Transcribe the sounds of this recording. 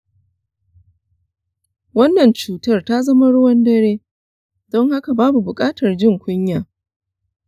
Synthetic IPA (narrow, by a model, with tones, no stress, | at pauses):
wɐ˦nːɐ˨nt͡ʃuː˨tɐ˦rta˦zɐ˦ma˦ɽʊ˦wɐ˦ndɐ˦ɾeː˦ | dɔ˦ŋha˦ka˨baː˦bu˨bʊ˨kʼaː˦tɐ˨rd͡ʒɪ˦˨ŋkʷʊ˦ɲjaː˨